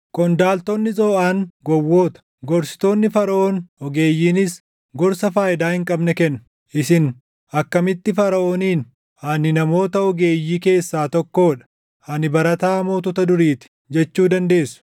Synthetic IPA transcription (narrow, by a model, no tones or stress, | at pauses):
kɔnd̪aːlt̪ɔnːɪsʼoːʔaːŋɡɔwːoːt̪ɐ̥ | ɡɔɾsɪ̥t̪o̞ːnːɪfɐɾɐoːnɔɡe̞ːjːiːnɪs | ɡɔɾsɐfaːjɪd̪aːhɪŋkʼɐbnɛkɛnːʊ̥ | ʔɪsɪn | ɐkːɐmɪt̪ːɪfɐɾɐʔoːniːn | hɐnɪnɐmo̞ːt̪ɐɔɡe̞ːjːiːke̞ːsːaːt̪ɔkːo̞ːᶑɐ̥ | hɐnɪbɐɾɐt̪aːmo̞ːt̪ɔt̪ɐd̪ʊɾiːt̪ɪ̥ | d͡ʒɛt͡ʃːuːd̪ɐnd̪e̞ːsʊ̥